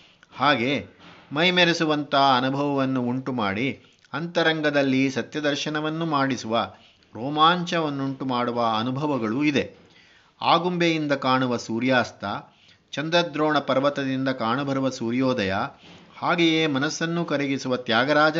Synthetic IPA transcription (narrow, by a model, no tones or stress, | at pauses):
haːɡe̞mɐjmeɾesuʋɐnt̪ɐɦɐɐnubʱɐʋɐʋɐnːuuɳʈuma̰ːɽi | ɐnt̪ɐɾɐŋɡɐd̪ɐlːisɐt̪jɐd̪ɐɾʃɐnɐʋɐnːumaːɽisuʋɐ | ɾɔːmaːɲt͡ʃɐʋɐnːuɳʈumaːɽuʋɐɐnubʱɐʋɐɡɐɭuid̪e | a̰ːɡumbejind̪ɐkaːɳuʋɐsuːɾjaːst̪ʰɐ | t͡ʃɐnd̪ɾɐd̪ɾoːɳɐpɐɾɐʋɐt̪ɐd̪ind̪ɐkaːɳubʱɐɾuʋɐsuːɾjoːd̪ɐjɐhaːɡejeːmɐnɐsːɐnːukɐɾiɡisuʋɐt̪jaːɡɐɾaːd͡ʒɐ